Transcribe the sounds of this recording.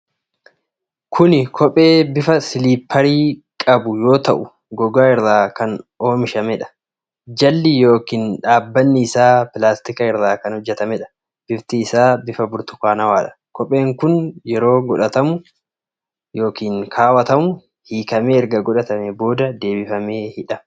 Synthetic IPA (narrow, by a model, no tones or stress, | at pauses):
kʰʊnɪkʰɔpʼe̞ːbɪfɐsɪliːpʰːɐɾiːkʼɐbʊjo̞ːt̪ɐʔʊ | ɡɔɡaːɪɾðaːkɐnoːmɪʃɐmɛᶑɐ̥ | d͡ʒɐlːɪjo̞ːkiːnᶑaːbːɐnːɪːsaːpɪlaːst̪ɪkɐɪɾðaːkɐnhɔd͡ʒːɛt̪ɐmɛᶑɐ̥ | b̥ɪft̪iːsaːbɪfɐbʊɾt̪ʊ̥kaːnɐwaːᶑɐ̥ | kʰɔpʼe̞ːŋkʊnjɛɾo̞ːɡɔᶑɐt̪ɐmʊ | jo̞ːkiːŋkʰaːwɐt̪ɐmʊ | hiːkɐmeːɛɾɡɐɡɔᶑɐt̪ɐmɛbo̞ːd̪ɐd̪e̞ːbɪfɐme̞ːhɪᶑɐ